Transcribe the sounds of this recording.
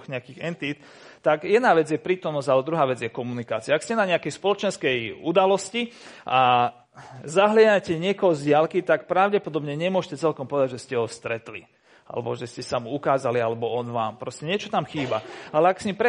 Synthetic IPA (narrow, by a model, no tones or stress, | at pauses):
ɣɲɛakiːxɛnt̪it̪ | t̪akjɛd̪naːʋɛd͡zjɛpɾiːt̪ɔmnɔszalɛd̪ɾuɦaːʋɛd͡zjɛkɔmunikaːt͡siaakscɛnaɲɛakɛjspɔlɔt͡ʃɛnskɛjud̪alɔsciʔa | zaɦlɪaacɛɲɪɛkɔɦɔzɟɪalkit̪akpɾaʊɟɛpɔd̪ɔbɲɛɲɛmʊɔʃcɛt͡sɛlkɔmpɔʋɛd̪aɟʒɛscɛɦɔfst̪ɾɛt̪lḭ | a̰lɛ̰bɔ̰ʒɛscɛsamuukaːzalialɛbɔɔnʋaːmpɾɔscɛɲɪɛt͡ʃɔt̪amxiːbaalɛaksɲimpɾɛ